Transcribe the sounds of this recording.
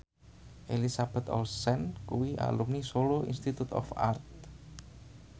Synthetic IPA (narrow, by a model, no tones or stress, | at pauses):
ʔelisab̥ɛ̤t̪ɔ̰lsɛnkuwiʔa̰lumnisoloḭnst̪it̪ut̪ɔ̰fa̰rt̪̚